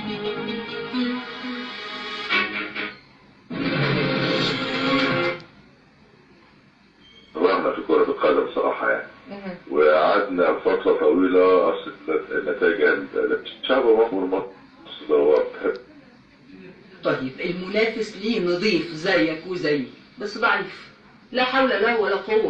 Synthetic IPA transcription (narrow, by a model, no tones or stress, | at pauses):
ɾˤɑʕnæfikoːɾˤɑbɪt̪qælːɪmsˤɑɾˤɑ̰ːħɑ̰ja̰ːniwɪaʕad̪nælfɑt̪ˤlˤɑt̪ˤːɑwiːlæʔɑsˤet̪nːæt̪æːɡæl̰læb̚t̪ɪ̥t̪ʃaʕbæmɑħmulmɑ | sˤd̪ˤwæbet̪ħebː | t̪ˤɑjːebʔelmʊnæːfɪsliːnɨd̪ˤiːfzæjʔækuːnzæjː | bæsːbaʕɾɪf | læħawlælæhwælːæq̪owː